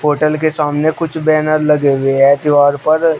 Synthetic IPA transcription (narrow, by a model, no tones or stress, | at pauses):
oːʈəlk̬esaːmnekʊt͡ʃʰbɛːnəɾlɐɡeːweɦɛːt̪ɪʋaːɾpəɾ